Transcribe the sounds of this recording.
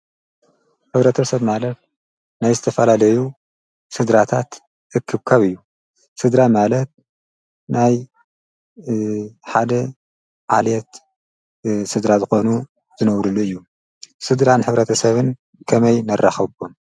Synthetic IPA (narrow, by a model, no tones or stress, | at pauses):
ħɨβɾɐt̪ʰɐsɐβmalɐt̪̚ | najzɨt̪ʰɐfɐlalɐju | sɨd̪ɾat̪ʰat̪ | ʔɨkʰːɨβkʰaβɨjːu | sɨd̪ɾamalɐt̪̚ | naj | ħad̪ɐ | ʕa̰ljɛt̪ | sɨd̪ɾazɨxo̞nu | zɨnɐwɾulːuɨjːu | sɨd̪ɾanħɨβɾɐt̪ʰɐsɐβɨn | kʰɐmɐjnɐrːaxɐβom